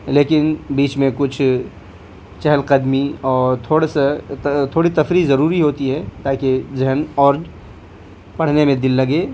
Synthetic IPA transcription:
leːkɪnbiːt͡ʃmẽkʊt͡ʃʰ | t͡ʃɛɦəlqəd̪miɔːɾt̪ʰoːɽeset̪ʰoːɽit̪ɐfɾizɐɾuːɾiɦoːt̪iɦɛt̪aːkid͡ʒɐɦənɔːɾd͡ʒ | pɐɽ̤nemẽd̪ɪlːɐɡeː

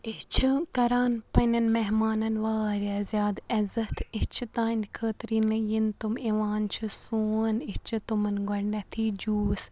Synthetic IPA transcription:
it͡ʃʰɨkɐɾaːnpɐnɐnmɛɦmaːnɐnʋaːɾʲɐzjaːd̪ɐzɐt̪ʰit͡ʃʰit̪aːnkʰəːt̪ɾiːnɨjint̪umiʋaːnt͡ʃʰusuːnit͡ʃʰut̪umɐnɡɔɾnɐt̪ʰiːd͡ʒuːs

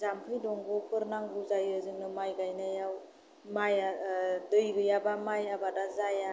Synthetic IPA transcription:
zampʰɯjdɔŋɡɔpʰɯɾnaŋɡuzajɯzɯŋnɯmajɡajnajaw | majadɯjɡɯjabamajabadazaja

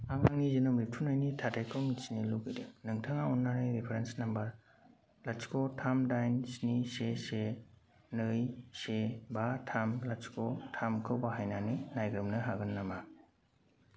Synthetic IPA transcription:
aŋaŋnizinomip̚tʰunajnitʰatajkʰɯwmitsniluɡidenɯŋtʰaŋaɔnːanɯjɾipʰeɾensnambaɾ | laskʰɔtʰamdajnsnisese | nɯjsebatʰamlaskʰɔtʰamkʰɯwbaɦajnaninajɡɾɯmnɯɦaɡɯnːama

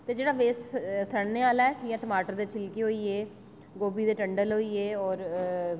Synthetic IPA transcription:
t̪eːd͡ʒeːɽaːʋeːssəɽneːaːlaɛːd͡ʒiːjãːʈəmaːʈəɾd̪eːt͡ʃʰɪlkeːɦoːiːeː | ɡoːbiːd̪eːʈəɳɖəlɦoːiːeːɔːɾ

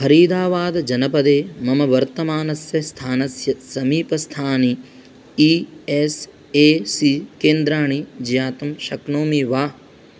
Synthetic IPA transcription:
hɐɾiːd̪aːʋaːd̪ɐd͡ʒɐnɐpɐd̪eːmɐmɐʋɐɾt̪ɐmaːnɐsjɐst̪ʰaːnɐsjɐsɐmiːpɐst̪ʰaːni | ies | eːsikeːnd̪ɾaːɳ̃id͡ʒijaːt̪ɐmʃɐknoːmiʋaː

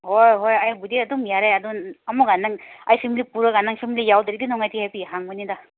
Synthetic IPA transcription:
hojɦojajbudiɐdumjaɾajadunɐmuɡanaŋajsimlipuɾaɡanaŋsʰimlijawdɐɾidinɔŋajtʰihapiɦaŋbɯnida

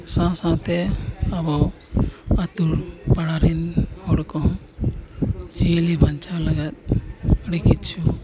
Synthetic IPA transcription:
sãsãt̪ɛabɔ | at̪uɾpaɽaɾinhɔɽkɔɦ | d͡ʒilibʱant͡ʃalaɡat̪̚əɽikit̪̚t͡ʃʰu

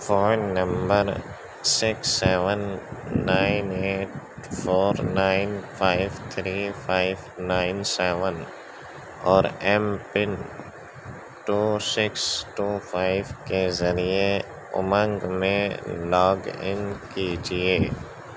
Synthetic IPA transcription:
fʰɔːnːə̃mbəɾ | sɪksːɛːʋənːaːɪneːʈ | fʰoːɾnaːɪnfʰaːɪʋt̪ʰɾiːfʰaːɪʋnaːɪnsɛːʋən | ɔːɾɛmpɪn | ʈuːsɪksʈuːfʰaːɪʋkezɐɾie | ʊ̰mə̃ŋɡmẽlɔːɡɪ̰nkid͡ʒieː

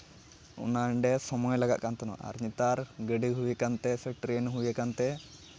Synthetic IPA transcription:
ṵnaɳɖɛsɔmɔjlaɡaʔkant̪ɔnɔ̰ʔa̰ɾɲit̪aɾɡəɖiɦujekant̪ɛsɛʈɾenɦujekant̪ɛ

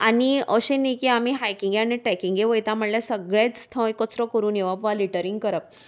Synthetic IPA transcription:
aniəɕẽnikiamiɦajkiŋɡaneʈɾɛkiŋɡeʋojt̪ãm̤əɳlasəɡɭẽt͡sst̪ʰə̃ekːɔt͡sɾɔkəɾuːneʋapʋaliʈəɾiŋɡkəɾəp̚

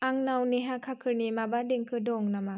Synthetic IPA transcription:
aŋnawniɦakʰakʰɯɾnimabadeŋkʰɯdɔŋnama

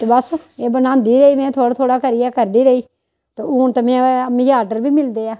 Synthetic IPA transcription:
t̪eːbəseːbənãːnd̪iːɾəiːmɛ̃ːt̪ʰoːɽt̪ʰoːɽaːkəɾiːjaːkəɾd̪iːɾəiː | t̪eːuːnt̪əmɛ̃ːmijaːɖəɾbiːmɪld̪eːaː

